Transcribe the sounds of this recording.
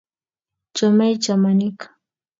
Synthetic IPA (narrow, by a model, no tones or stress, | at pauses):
t͡ʃamajt͡ʃamanɪkḁ